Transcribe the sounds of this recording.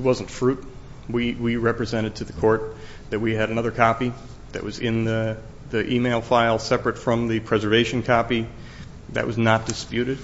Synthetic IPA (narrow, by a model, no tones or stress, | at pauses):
t̚wʌz̃n̩tfɹʉt̚ | wiwiɹɛpɹɨzɛ̃ɾ̃ɨd̚tʰɨðɨkʰɔɹt̪̚ | ðɨt̚wiɨɾɨnʌðə˞kʰɑpi | ðɨ̰ʔ̚wʌzɪ̃nðɨ | ðiʔimeɪlˠfaɪlˠsɛpɹɨtfɹʌ̃mðɨpʰɹ̥ɛzə˞veɪʃn̩kʰɑpi | ðɨ̰ʔ̚wʌznət̚d̥ɨspjʉɾɨd̥̚